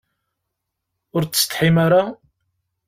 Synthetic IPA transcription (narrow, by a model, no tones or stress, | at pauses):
ʊɾt͡sːst̪ħimaɾa